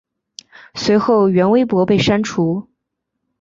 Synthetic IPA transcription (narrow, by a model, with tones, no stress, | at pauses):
swe˧˥ɪxo˥˩ʊɥɛ˧˥nwe˥ɪpwɔ˧˥pe˥˩ɪʂa˥nʈ͡ʂʰu˧˥